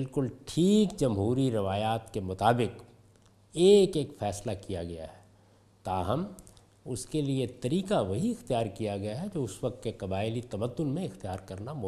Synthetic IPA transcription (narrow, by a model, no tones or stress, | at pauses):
ɪlkʊlʈʰiːkd͡ʒɐmɦuːɾiɾɪʋaːjaːt̪kemʊt̪aːbɪq | eːkeːkfɛːslakijaɡɐja̰ɦɛː | t̪aːɦɐm | ʊskeliet̪ɐɾiːkaʋɐɦiɪxt̪ijaːɾkijaɡɐjaɦɛd͡ʒoːʊsʋɐk̚t̪̚kekɐbaːɪlit̪ɐməd̪ːʊnmẽɪxt̪ijaːɾkɐɾnamʊ